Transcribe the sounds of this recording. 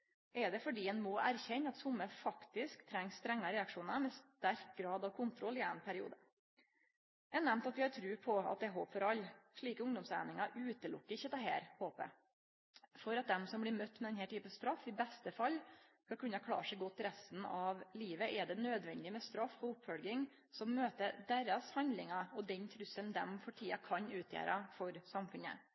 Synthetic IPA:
ʔɛɖɛfɔɖiːɛnmɔʔæɾçɛɲːɑt̪sʊmːəfɑkt̪ɪskt̪ʰɾɛŋːsst̪ɾɛŋːɑɾɛɑkʂuːnəɾmɛst̪æɾk̚ɡɾɑːd̪ɑʋkʰʊnt̪ʰɾɔlːɪɛnpʰæɾɪṵːd̪ə | jæɑnɛmnt̪ɑt̪ʋɪhɑɾt̪ʰɾʉːpʰɔɑ̰t̪̚d̪ɛɦoːpfɔɾɑlːʂɭiːkəʊŋd̪ɔmsæ̰ːnɪŋɑʉːt̪əlʊkːəɪçːət̪ɑɦæ̰ːɾhoːpə̰ | fɔɾɑt̪̚d̪ɛmsɔmblɪɾmœt̪ːmɛd̪ɛnɦɛːʈʰyːpənst̪ɾɑfːɪbɛst̪əfɑlːkɑkʰʉnːəkʰlɑ̰ːʂɛɪɡɔt̪ːɾɛst̪n̩ɑʋliːʋəʔɛɖɛnød̪ʋɛnd̪ɪmɛst̪ɾɑfɔʊpfɔlɡɪŋ | sɔmːøːt̪əd̪eːɾɑshɑnd̪lɪŋɑɔd̪ɛnt̪ʰɾʉsːənd̪ɛmfɔʈʰiːɑkʰɑnʉːt̪ʰjḛːɾʔɑfɔɾsɑmfʉnə̰

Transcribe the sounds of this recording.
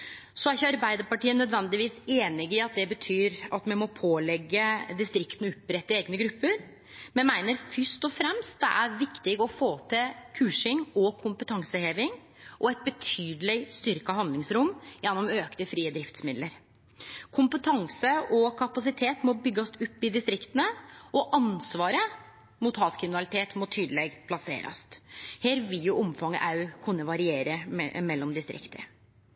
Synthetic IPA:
sɔæɾɪçəɑɾbæɪd̪əɾpɑʈiːənœd̪ʋɛnd̪ɪʋiːseːnɪɡɪɑt̪̚d̪ɛbət̪ʰyːɾɑt̪mɛnmɔpʰoːlɛɡːəd̪ɪst̪ɾɪkt̪nʉpːɾɛt̪ːəeːɡnəɡɾʉpʰːəɾ | mɛnmæɪnəɾfʏʂt̪ɔfɾɛmst̪̚d̪ɛʔæɾʋɪkt̪ɪɡɔfoːt̪ʰɪlkʰʉːʂɪŋɔkʰʊmpət̪ʰɑŋsəheːʋɪŋ | ʔɔɛt̪̚bət̪ʰyːd̪lɪst̪ʏɾkəɦɑnlɪŋsɾʊmːjɛnːɔmøːknəfɾiːəd̪ɾɪft̪smɪd̪ləɾ | kʰʊmpət̪ʰɑŋsəʔɔkʰɑpɑsɪt̪ʰeːt̪mɔbʏɡːɑsʊpːɪd̪ɪst̪ɾɪkt̪ənəʔɔʔɑnsʋɑːɾə | mut̪hɑːt̪kʰɾɪmɪnɑlɪt̪ʰeːt̪mɔt̪ʰyːd̪əlɛɡpʰlɑsḛːɾɑ̰st̪heːɾʋɪljʊʔɔmfɑŋːə̰ʔɑʉkʰʉnːəʋɑɾɪeːɾəmɛlːɔmd̪ɪst̪ɾɪ̰kt̪ə̰

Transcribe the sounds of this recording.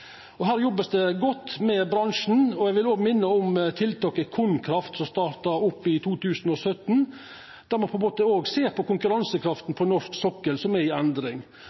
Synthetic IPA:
ɔɦæːɾjɔbːəsd̪ɛɡɔt̪ːmɛbɾɑŋʂn̩ɔɛɡʋɪloːɡmɪnːəɔmt̪ʰɪlt̪ɑːkəkʰʊnkʰɾɑft̪sɔmst̪ɑːɾt̪ɑɾʊpːɪt̪ʰuːt̪ʰʉːsn̩ɔsœt̪n̩ | d̪æɾmɑnpʰɛmoːt̪əoːɡseːɾpʰɔkʰʊŋkʉɾɑnsəkʰɾɑft̪n̩pʰɔnɔʂksɔkːəlsɔmɛɪænd̪ɾɪŋ

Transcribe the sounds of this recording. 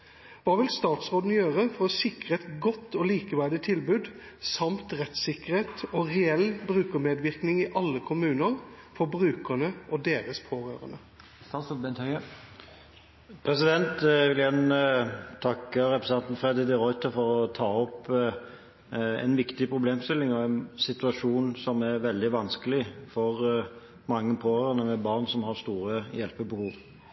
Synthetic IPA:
ʋɑːʋɪlst̪ɑːt̪sʁoːd̪n̩jøːʁəfɔɾɔsɪkʁəɛt̪ɡɔt̪ːɔːliːkəʋæɖ̪ɪt̪ʰɪlbʉːd̪ | sɑmt̪ʁɛt̪sɪkːəʁheːt̪ɔʁɛɛlːbɾʉːkəɾmeːd̪ʋɪʁknɪŋɪʔɑlːəkʰʊmʉːnəɾfɔbɾʉːkənəʔɔd̪eːɾəspʰoːɾø̰ːɾə̰nə | ɑsbɛnt̪hœə | pʰɾɛsɪd̪ɛnt̪ʋɪljænət̪ʰɑkːəɾɛpɾəsɛnt̪n̩fɾɛd̪ɪd̪ɪɾɔʏt̪əfɔɾɔt̪ʰɑːɔpː | ɛ̰ɪnʋɪkt̪ɪpʰɾʊbleːmst̪ɪlːɪŋɔɛnsɪt̪ʉɑʂuːnsɔmæɾʋɛld̪ɪʋɑnskəlɪfɔʁ | mɑŋːəpʰoːɾøːɾənəmɛbɑʁnsɔmhɑʁst̪uːɾəjɛlpəbəhuːʋ

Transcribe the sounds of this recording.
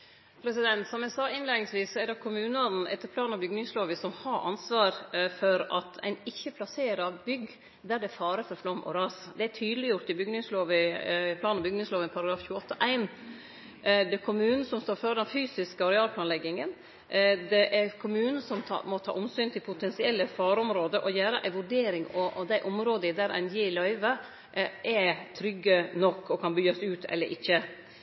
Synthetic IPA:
pʰɾɛsɪd̪ɛnt̪sɔmæɪsɑːɪnleːd̪ɪŋsʋiːssɔɛɾɖɛkʰʊmʉːnəɔɾn̩ʔɛ̰t̪ːəɾpʰlɑːnɑbʏɡnɪŋsloːʋəsɔmhɑɾʔɑ̰nsʋɑːɾfɔɾɑt̪ʰæ̰ɪnɪçːəpʰlɑseːɾɑʋbʏɡ | d̪æɖɛfɑːɾəfɔɾflɔmʔɔ̰ɾɑːsd̪ɛæʈʰyːd̪əlɪjʊɾt̪ɪbʏɡnɪŋsloːʋɪpʰlɑːnɑbʏɡnɪŋsloːʋənpʰɑɾɑɡɾɑːfçʉːəɔt̪ːəʔæɪn | d̪ɛkʰʊmʉːn̩sɔmst̪oːɾføːɾd̪ɛnfyːsɪskəɔɾɛɑːlpʰlɑːnlɛɡɪŋən | d̪ɛʔɛɾkʰʊmʉːnn̩sɔmʰɑ̰mɔt̪ʰɑ̰ːʔɔmsyːnt̪ʰɪlpʰʊt̪ʰɛnsɪɛlːəfɑːɾɔmɾoːd̪əʔɔjæːɾə̰ʔæɪʋʉɾɖeːɾɪŋɔʔɔd̪æɪʔɔmɾoːd̪əɪd̪æɾʔæ̰ɪnjɪlɑɪʋə | ʔʔɛt̪ʰɾʏɡːənɔkːɔkʰɑnbyːɑsʉːt̪ʰɛ̰lːəɾʔɪçːə

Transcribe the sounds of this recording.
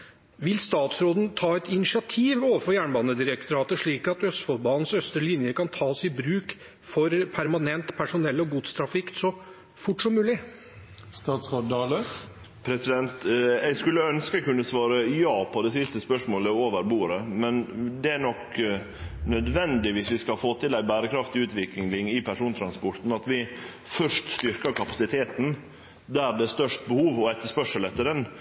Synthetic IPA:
ʋɪlst̪ɑːt̪sɾoːd̪n̩t̪ʰɑːɛt̪ɪnɪʂɪɑt̪ʰiːʋoːʋəfɔɾjæːɳbɑːnəd̪ɪɾəkt̪ʊɾɑːt̪əʂɭiːkɑt̪œst̪fɔlbɑːnnsœst̪ɾəlɪnjəkɑnt̪ʰɑːsɪbɾʉːk | fɔɾpʰæɾmɑnɛnt̪pʰæʂʊnɛlːɔɡuːd̪st̪ʰɾɑfɪksɔ | fʊʈːʂɔmːʉːlɪ | st̪ɑːt̪soːd̪ɑlə | pʰɾɛsɪd̪ɛnt̪ɛɪskʉlːəœnskəkʉnːəsʋɑːɾəjɑːpʰɔd̪ɛsɪst̪əspœʂmoːləoːʋəɾbuːɾəmɛnd̪ɛæɳɔk | nœd̪ʋɛnd̪ɪʋɪːsʋɪskɑfoːt̪ʰɪlæɪbæːɾəkʰɾɑft̪ɪʉːt̪ʋɪklɪŋlɪŋɪpʰæʂuːnt̪ʰɾɑnspɔɾt̪n̩ɑt̪ʋɪ | fœʂtst̪ʏɾkəɾkʰɑpɑsɪt̪ʰeːt̪n̩ | d̪æɾd̪ɛst̪œʂt̪bəhuːʋɔɛt̪ːəʂpœʂəlɛt̪ːəɾɛn

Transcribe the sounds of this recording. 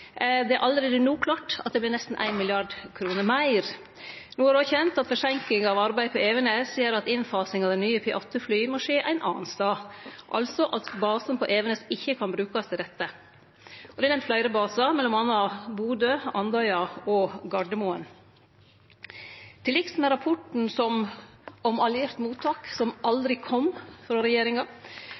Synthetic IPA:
d̪ɛæɾʔɑld̪ɾeːd̪ənuːkʰlɑːʈɑ̰t̪̚d̪ɛb̪ɪɾnɛst̪n̩ʔæ̰ɪnmɪlɪɑɖkʰɾuːnəmæɪɾ | nuːæɾoçɛnt̪ɑt̪fɔʂɛŋkɪŋɑʋɑɾbæɪd̪pʰɔeːʋənəseːəɾɑt̪ɪnfɑːsɪŋɑʋd̪ɛnyːəpʰɪʔɑt̪ːəflyːmɔʂeːʔæ̰ɪnʔɑ̰ːnst̪ɑːʔɑ̰lsɔʔɑt̪bɑːsənpʰɔʔeːʋənəsɪçːəkʰɑnbɾʉːkɑst̪ʰɪɾɛt̪ːə | ɔd̪ɛnɛmt̪flæɪɾəbɑːsɑmɛlːɔmɑnːɑbuːd̪øːɑnd̪ɑɪɑɔɡɑɖəmuːən | t̪ʰɪlɪksmɛɾɑpʰɔʈɳ̩sɔm | ɔmɑljɪɾt̪muːt̪ʰɑːksɔmʔɑld̪ɾɪkʰɔmfɾɑːɾɛjeːɾɪŋɑ

